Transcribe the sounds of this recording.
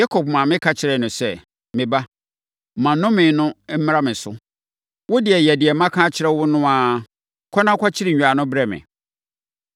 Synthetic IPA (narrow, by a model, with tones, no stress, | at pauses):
ja˦kʰɔ˨b̚mã˨mɪ̃˦kʰa˦t͡ɕʰɪ˨ɾɛ˨nʊ̃˨sɛ˨ | mɪ̃˨ba˦˨ | mã˨nʊ̃˦mɪ̃˨˦nʊ̃˦m̩˦m˦ɾa˦mɪ̃˨sʊ˦ | wʊ˦dɪ˨ɛ˨jɛ˨dɪ˨ɛ˨mã˦kʰãː˦t͡ɕʰɪ˨ɾɛ˦wʊ˦nʊ̃˦a˨ | kʰɔ˦nã˦kʷʰa˦t͡ɕʰɪ˦ɾɪ˨ɲ̩ᶣ˨a˨nʊ̃˦bɾɛ˦mɪ̰̃˨